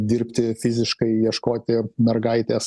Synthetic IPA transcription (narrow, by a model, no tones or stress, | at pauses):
d̪ʲɪɾʲpʲt̪ʲɪfʲɪzʲɪʃkɐɪjiɛʃkoːt̪ʲɪmʲɛrɡɐɪt̪ʲeːs